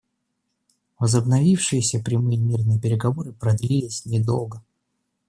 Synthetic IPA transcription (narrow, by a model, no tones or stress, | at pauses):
vəzəbnɐvʲifʂɨjɪsʲəpɾʲɪmɨjɪmʲirnɨjɪpʲɪɾʲɪɡɐvo̞ɾɨpɾɐd̪lʲilʲɪsʲnʲɪd̪o̞̰lˠɡə